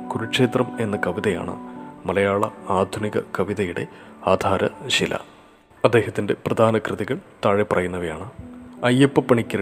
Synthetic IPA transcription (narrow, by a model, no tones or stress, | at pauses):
kuɾuʂe̞ːt̪rɐme̞nːɐkɐʋiðɐja̰ːɳɨ̰mɐlɐjaːɭɐaːd̪ʱuniɣɐ̰kɐʋiðɐjuɽe̞̰aːd̪ʱaːɾɐɕilɐ̰ | ɐd̪ːe̞ːɦɐt̪ːinde̞prɐd̪ʱaːnɐkrɨðiɣɐɭt̪aːɻepːɐrɐjunːɐʋɐja̰ːɳɨɐjepːɨpːɐɳikʲːɐ